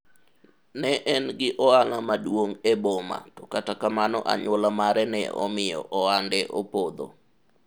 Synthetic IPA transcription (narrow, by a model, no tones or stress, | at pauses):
nɛʔɛnɡɪʔɔaŋamadwoŋebɔma̰tɔkatakamanɔ̰ʔa̰ɲwɔlamaɾɛnɛ̰ɔ̰mɪjɔ̰ʔɔandɛʔɔpod̪o̰